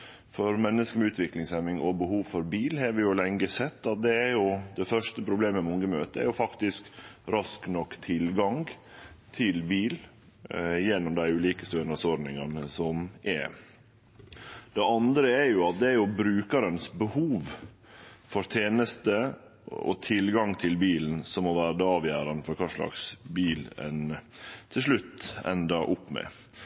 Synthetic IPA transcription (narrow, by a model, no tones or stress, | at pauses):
fɔɾmɛnːəskəmɛʉːt̪ʰʋɪklɪŋsɛmɪŋɔbəhuːʋfɔɾbiːlhɑɾʋɪjʊlɛŋɡəsɛt̪ːɑt̪̚d̪ɛːɾjʊd̪ɛfœʂt̪əpʰɾʊbleːməmʊŋɡəmøːt̪əɛ̰ɾjʊfɑkt̪ɪskɾɑsknɔkːt̪ʰɪlɡɑŋɡt̪ʰɪlbiːl | jɛnːɔmd̪æɪʉːliːkə̥st̪ønɑsɔɾnɪŋɑnəsɔmʔɛ̰ | d̪̥ɛɑnd̪ɾəɛɾjʊɑt̪̚d̪ɛæɾjʊbɾʉːkɑɾənsbəhuːʋ | fɔɾt̪ʰeːnəst̪ə | ɔ̰t̪ʰɪlɡɑŋt̪ʰɪlbiːln̩sɔmːɔʋæːɾd̪əɑːʋjæːɾɑnəfɔɾkʰɑːʂɭɑ̰ksbiːlɛ̰n | t̪ʰɪlʂɭʉt̪ːɛ̰nd̪ɑʔʊpːmɛ̰